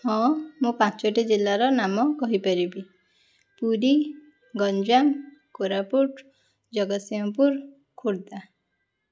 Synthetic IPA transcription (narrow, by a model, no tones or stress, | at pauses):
hɔ̃mũpãt͡ʃɔʈid͡ʒilːaɾɔnamɔkɔɦipaɾibi | puɾi | ɡɔnd͡ʒankoɾapuʈ | d͡ʒɔɡɔsiɔ̃puɾ | kʰoɽd̪a